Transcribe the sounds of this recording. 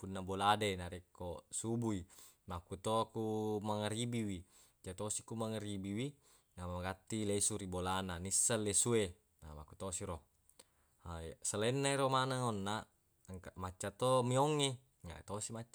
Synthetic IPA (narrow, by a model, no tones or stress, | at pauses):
punːaboladenaɾekːosubui | makut̪oakumaŋaɾibiwi | d͡ʒat̪osikumaŋaɾibiwi | namaɡat̪ːilesuɾibolananisːalːesue | na̰makut̪osiɾo | asalenːaiɾomanaŋonːa | ŋkamat͡ʃːat̪omioŋːe | ŋa̰t̪osimat͡ʃːa